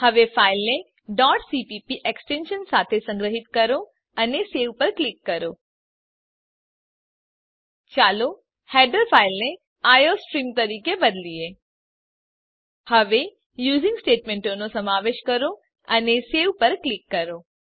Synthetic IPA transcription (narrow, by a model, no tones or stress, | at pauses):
həʋefailne | ɖɔɖsipipiʔeksʈenʃənsat̪ʰesə̃ŋɡɾəɦit̪kəɾo | əneseʋpəɾklikːəɾo | t͡ʃalo | hɛɖəɾfʰailne | ajosʈɾimt̪əɾikebəd̪lie | həʋe | juzĩŋɡsʈeʈmeɳʈonosəmaʋeʃkəɾo | əneseʋpəɾklikːəɾo